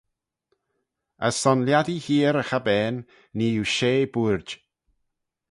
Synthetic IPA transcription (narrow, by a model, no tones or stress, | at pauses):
əsːɔnljadihiːɾəxabɛːnː | iːuʃeːbuɹd͡ʒ